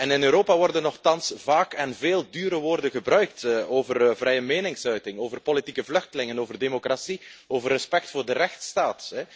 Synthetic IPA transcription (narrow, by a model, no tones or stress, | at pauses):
ɛnɪnøːɾoːpaʋɔrdənːɔxtɑnsvaːkɛnveːlˠdyːɾəʋoːrdəɣəbrœɥk̚toːvərvrɛjəmeːnɪŋsœɥtɪŋoːvərpolitikəvlɵxtəlɪŋənoːvərdemokrasioːvərːɛspɛk̚tfʊːrdərɛxtstaːtɛ